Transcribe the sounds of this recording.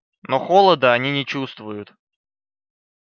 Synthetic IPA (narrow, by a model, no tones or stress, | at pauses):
noxolˠəd̪əɐnʲinʲɪt͡ɕust̪vʊjʊt̪